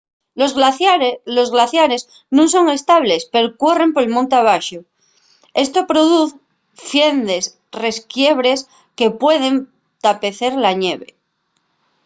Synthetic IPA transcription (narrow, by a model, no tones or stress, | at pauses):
ozɣ | lo̞zɣlaθjaɾez | nũŋso̞ŋe̞st̪aβ̞lespe̞ɾokwore̞mpoɾelmõnt̪aβ̞aʃo | e̞st̪o̞pɾo̞ðuθ | fje̞nd̪e̞s | re̞skje̞βɾe̞s | ke̞pwe̞ðe̞n | t̪ape̞θe̞ɾlaɲe̞βe